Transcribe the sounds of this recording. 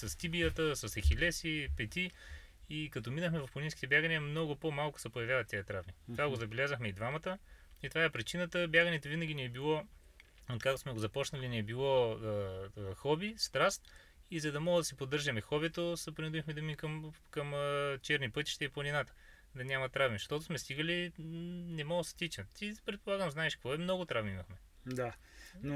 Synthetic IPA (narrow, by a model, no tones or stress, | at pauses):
sɐst̪ibijət̪əsɐsɛxʲilɛsipɛt̪iikɐt̪ɔminəxmɛvɐfplˠɐninkʲit̪ɛbʲjaɡəniəmnɔɡʊpomalˠkʊ̥sɛpojɐvʲjavɐt̪ːiət̪ɾavnitt̪ovaɡozɐbɛlʲazəxmɛid̪vamɐt̪əit̪ovaɛpɾit͡ʃinət̪əbjaɡɐnɛt̪ovinɐɡʲiniɛbilˠɔ | ot̪kakt̪o̥smɛɡozɐpɔt͡ʃnəliniɛbilˠɔ | xɔbist̪ɾast̪ | izɐd̪ɐmɔɡəd̪ɐsipod̪ːɤɾʒɐmɛxɔbɛt̪osəpɾʲind̪uvixmɛd̪ɐmikəmkɐmət͡ʃɛɾnipɤt̪i̥ʃt̪ɛiplˠɐnʲinat̪ə̥ | d̪ɐnʲamɐt̪ɾavmʲiʃt̪ɔt̪ʊsmɛst̪iɡəli | nɛmɔɡəst̪it͡ʃ̪ət̪ipɾɛt̪̚polˠaɡəmznaɛʃkvɔɛmnɔɡot̪ɾavmʲiimɐxmɛ | d̪a | no